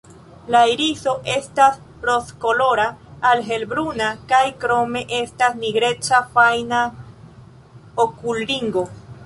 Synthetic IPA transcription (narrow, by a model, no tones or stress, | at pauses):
lajɾiso̞ʔe̞stas | ɾo̞skolo̞ɾaːlɦe̞lbɾunakajkɾo̞me̞ʔestasniɡɾe̞t͡ʃafajna | okulɾiŋɡo̞